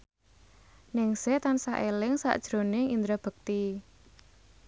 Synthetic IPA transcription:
nɪŋset̪ansaʔelɪŋsa̰ʔd̥ʒ̥ɾonɪŋind̪ɾab̥ək̚t̪i

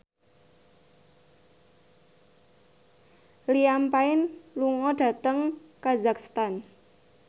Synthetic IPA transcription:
liampaɪnluŋɔɖ̥ä̤t̪əŋkazakst̪an

